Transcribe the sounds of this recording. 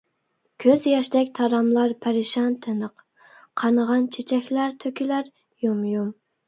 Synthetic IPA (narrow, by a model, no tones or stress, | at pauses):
kʲʰøzjɑʃd̪ɛkʲt̪ʰɑɾɑmlˠɑɾpʰæɾɪʃɑnt̪ʰɪnəq | qʰɑnəʁɑnt͡ʃʰet͡ʃʰɛkʲlæɾt̪ʰøkʲilæɾ | jumjum